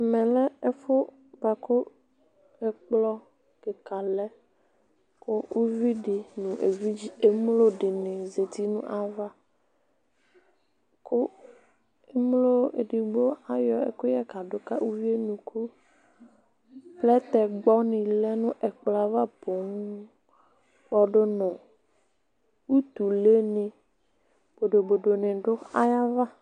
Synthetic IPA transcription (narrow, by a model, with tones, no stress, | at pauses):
mɛ̃˨lɛ˦ɛ˦fʊ˦ | ba˨ko˦ | ɛ˨k͡plɔ˦ | ke˨ka˨lɛ˦ | ko˦u˦vi˦ɖi˨nũ˨ʔḛ˨vi˦d͡ʒi˦e˦mlo˦ɖɪ˨nɪ̃˨ze˨t̪i˦nṵ̃˦ʔa˨va˦ | ko˦ | e˦mlo˦e˨ɖi˨ɡ͡bo˦a˨jɔ˦ḛ˦ko˦jɛ˦ka˨ɖo˨ka˦u˦vi˦e˦nũ˨kʰu˦ | plɛ˦t̪ɛ˨ɡ͡bɔ˦nĩ˨lɛ˦nũ˦ʔɛ˨k͡pla˨va˦po˨ŋũ˦ | k͡pɔ˦ɖo˦nɔ̃˨ | wu˦t̪u˨le˦nẽ˨ | b̥o˨ɖo˨bo˨ɖo˨nẽ˨ɖʊ˦a˦ja˦va˦